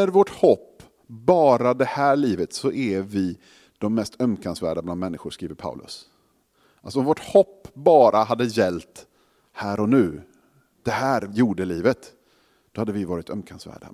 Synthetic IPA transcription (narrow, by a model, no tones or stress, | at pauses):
æɾvɔʈhɔpː | bɑːɾad̪ɛhæːɭiːvət̪sɔʔɛvɪ | d̪̥ɔmːɛst̪œmkʰansvæ̰ːɖabland̪mɛnːɪɧʊʂkɾiːvəɾpʰa̰ʊlʔɵ̰s | ʔalsɔɔmvɔʈhɔpːbɑːɾʔaɦad̪ːəjɛlt̪ | hæːɾɔnʉ̟ː | d̪̥ɛhæːɾjuːɖəliːvət̪ | d̪̥ɔhad̪ːəvɪvɑːɾɪt̪ʰœmkʰansvæ̰ːɖa̰